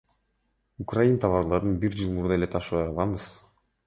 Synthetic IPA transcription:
ukrajint̪ʰɑβɑɾlˠɑɾɯnbiɾd͡ʒɯlˠmuɾd̪ɑe̞let̪ʰɑʃɯβɑjɑlˠɑbɯz̥

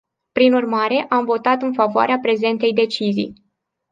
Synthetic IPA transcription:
pɾinurmaɾe̞ʔamvo̞t̪at̪ɨnfavoa̰ɾeapɾe̞ze̞nt̪e̞jd̪e̞t͡ʃizḭj

